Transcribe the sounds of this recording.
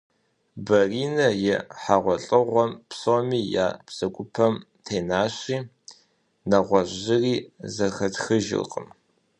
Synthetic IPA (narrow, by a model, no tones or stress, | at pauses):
bɐriːnɐjɛħaʁʷɔɬʼɨʁʷɔmpsomiːja̰ːpsɐkʷʼʊpʰɐm | tʰeːnaːɕiː | nɐʁʷɔʒʑɪriːzɐxɐtxɨʒɪ̰lqʼə̰m